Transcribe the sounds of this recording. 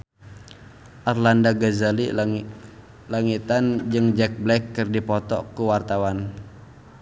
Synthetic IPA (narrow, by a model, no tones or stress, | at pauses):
ʔarlandaɡazali | laŋit̪and͡ʒɨŋd͡ʒɛk̚blɛkːɨrdipɔt̪ɔkuwart̪awan